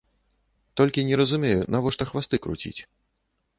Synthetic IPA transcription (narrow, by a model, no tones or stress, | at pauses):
t̪ɔlʲkʲinʲɛɾɐzumʲejunavɔʂt̪ɔxvast̪ɨkɾṵt͡sʲḭt͡sʲ